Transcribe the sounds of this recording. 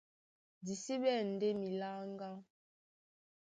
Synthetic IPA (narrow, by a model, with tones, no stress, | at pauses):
di˨si˦ɓɛ˦˨n̩˨de˦mi˨la˦ŋ˦ɡa˦